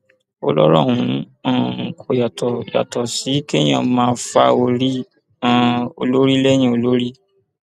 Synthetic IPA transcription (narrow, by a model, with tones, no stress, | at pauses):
o˦˧lɔ˦ɾɔ̰˦˨hũ˨˦ | ã˦˨kʰo˨ja˨tɔ˨ja̰˨tɔ˨si˨˦ke˦j̃ã̰˦˨mãː˦fa̰˧o˧ɾi˦ | ã˦o̰˧lo˦ɾi˦lɛ˦j̃ĩ˦o˧lo˦ɾi˦